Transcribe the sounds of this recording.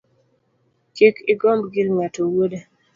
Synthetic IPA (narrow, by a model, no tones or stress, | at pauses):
kikʰɪɡɔmbɡɪlŋatowode